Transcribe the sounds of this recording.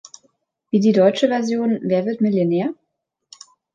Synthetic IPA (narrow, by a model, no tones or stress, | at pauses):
v̥iːdiːdɔʏt͡ʃəvɛɐzjoːnveːɐvɪɐtmɪljonɛːɐ